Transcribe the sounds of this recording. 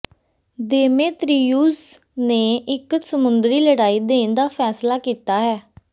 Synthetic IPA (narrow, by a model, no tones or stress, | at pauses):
d̪eːmeːt̪ɾiːuːs | neːʔɪksəmʊnd̪ɾiːləɽaːiːd̪eːnd̪aːpʰɛːslaːkiːt̪aːɦɛː